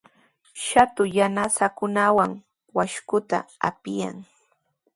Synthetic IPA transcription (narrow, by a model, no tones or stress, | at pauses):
ʃat̪ʊjanasakʊnawaŋ | waʃkʊt̪a̰a̰pɪja̰ŋ